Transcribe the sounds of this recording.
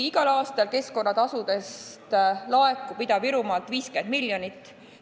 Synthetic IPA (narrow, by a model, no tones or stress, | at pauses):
iɡ̥ɑlɑːst̪ɑlke̞sko̞nːɑt̪ɑsud̪e̞st̪lɑe̞kːˑupid̪ɑviɾumɑlt̪ˑviːske̞nd̪miljonit̪ːˑ